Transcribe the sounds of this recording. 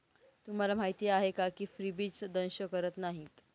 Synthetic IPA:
t̪um̤alam̤aɦit̪iːjaɦekakiːfɾibiːt͡sd̪ənɕəkəɾət̪naɦit̪

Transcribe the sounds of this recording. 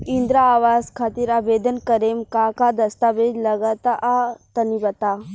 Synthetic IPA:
ind̪ɾaːʋaːzkʰaːt̪iɾaʋeːd̪ənkəɾeːmkakad̪ɐst̪aʋeːd͡ʒ̪lɐɡat̪aʔat̪ɐnibɐt̪aː

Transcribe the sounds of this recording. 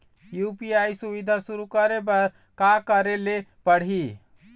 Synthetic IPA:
jupiaisuβid̪ʱasuɾukəɾebəɾ | kakəɾelepəɽ̤ɦi

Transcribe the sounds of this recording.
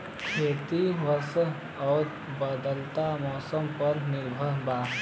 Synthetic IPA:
kʰeːt̪iʋəs | ɔːɾ | bəd̪əlt̪amɔːsəmpəɾnɪɾbʱəɾbaː

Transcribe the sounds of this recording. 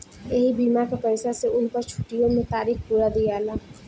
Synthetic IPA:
eɦibiːmakapɛɪsaseʊnpəɾt͡ʃʰu̥ʈijõmẽt̪aːɾiːkpuːɾad̪ijaːlaː

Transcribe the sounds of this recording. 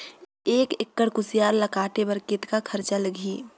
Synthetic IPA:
eːkɪkːəɽkʊsijaːɾlɐkaːʈ̪ebɐɾkɪt̪kakʰɐɾt͡ʃaləɡʱiː

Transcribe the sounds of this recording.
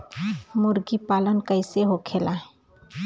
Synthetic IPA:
mʊɾɡipalənkəɪseɦokʰelaɦe

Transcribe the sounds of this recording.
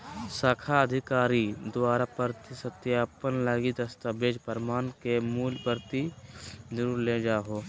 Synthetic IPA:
səkʰaəd̪ʱɪkaːɾid̪waːɾapəɾt̪isət̪jaːpənlaːɡid̪əst̪abeːd͡ʒpəɾmaːnkemuːlpəɾt̪id͡ʒəɾuːɾled͡ʒaːɦoː

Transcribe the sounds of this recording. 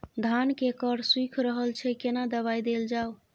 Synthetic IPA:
d̪ʱankekəɾswikʰɾəɦəlt͡ʃʰɛkenad̪əβajd̪eld͡ʒaw

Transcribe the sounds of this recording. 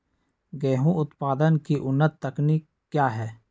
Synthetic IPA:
ɡɛːɦũʊt̪paːd̪ənkiʔʊnːət̪ːəkniːk | kːjaːɦɛː

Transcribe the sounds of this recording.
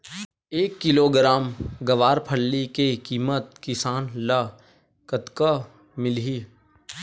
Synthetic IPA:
eːkːɪloːɡɾaːmɡɐʋaːɾpʰəɽːikekiːmət̪kɪsaːnlɐ | kət̪ka | mɪlɦiː

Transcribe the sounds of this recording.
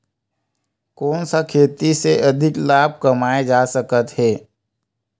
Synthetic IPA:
kɔːnsakʰeːt̪iseʔɐd̪ʱɪklaːb̚ʱkɐmaːed͡ʒaːsəkət̪ɦɛː

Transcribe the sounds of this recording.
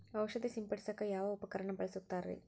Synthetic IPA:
ɐʋʃɐd̪isimpɐɽisɐkːɐjaːʋɐupɐkɐɾɐɳɐbɐɭɐsut̪ːaːɾɾḛː

